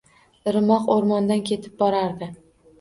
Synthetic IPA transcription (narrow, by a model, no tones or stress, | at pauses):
ɾɪmɒqoɾmɒnd̪ankʲʰe̞t̪ʰɪ̥p̚bɒɾaɾd̪ɪ